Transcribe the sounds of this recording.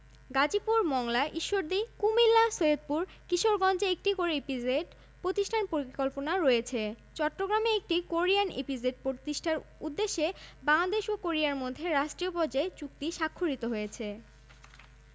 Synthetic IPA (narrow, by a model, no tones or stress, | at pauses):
ɡad͡ʑipuɾmɔŋlaʔiʃːoɾd̪ikumilːasoed̪̚puɾ | kiʃoɾɡɔnd͡ʑeek̚ʈikoɾepieɖ | pɾot̪iʃʈʰanpoɾikɔlponaɾɔjet͡ɕʰe | t͡ɕɔʈːɾoɡɾameek̚ʈikoɾianḛpizeɖ̚pɾot̪iʃʈʰaɾud̪ːeʃːebaŋad̪eʃokoɾijaɾmod̪ʱːeɾaʃʈɾijopɔd͡ʑet͡ɕuk̚t̪iʃakʰːoɾit̪oɦojet͡ɕʰe